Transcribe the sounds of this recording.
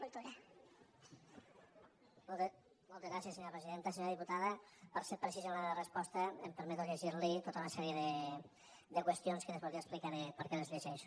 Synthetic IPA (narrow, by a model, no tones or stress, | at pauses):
olt̪oɾa | mɔlˠt̪ezɣɾasiəsːeɲoɾɐpɾeziðent̪əseɲoɾəðiput̪aðəpəɾseɾpɾəsizəunarəspɔst̪əːmpəɾmɛt̪uʎeʒiɾlit̪ot̪əunɐsɛɾieðə | d̪əkwəst̪ionskənβolˠdiəsplikanepəɾkɛnəzʎəʒɛʃu̥